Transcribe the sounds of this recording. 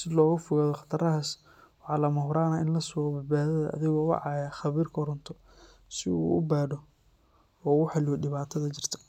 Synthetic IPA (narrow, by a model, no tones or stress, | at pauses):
sɪlɔːɣʊfɔɣaːðɔχɑ̥t̪ʰɐɾɐɦɐs | wɑħɑːlɐmɔhɾaːnɐɪnlɐsʊɣɔbɐbaːðɐðɐ̰ʔɐ̰ðɪɣɔwɑ̰ʕɑjaxɑβiːrkʰɔɾʊnt̪ʰɔ | sɪṵːʔʊbaːɽɔ | ɔːʊħɑlːɪwɔɖɪβaːt̪ʰɐðɐt͡ʃɪr̥t̪ʰɐ̥